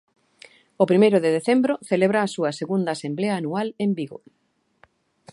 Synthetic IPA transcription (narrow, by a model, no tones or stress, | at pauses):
opɾimejɾʊðeðeθembɾoθeleβ̞ɾaːsuɐseɣund̪asembleɐːnualembiɣo̰